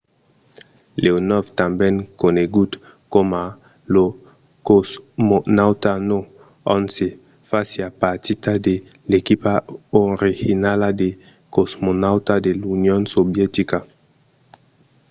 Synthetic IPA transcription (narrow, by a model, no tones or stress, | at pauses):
leonɔft̪ambeŋkoneɡut̪ | koma | lo | kosmonawt̪ano | ɔnse | fasiapaɾt̪it̪ad̪e | lekipaoɾixinalad̪e | kozmonawt̪ad̪elunjonsobjet̪ika